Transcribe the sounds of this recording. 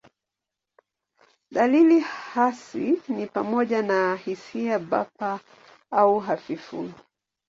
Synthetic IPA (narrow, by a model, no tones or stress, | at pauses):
ɗalilihasinipamɔʄanahisiaɓapa | auɦafifṵl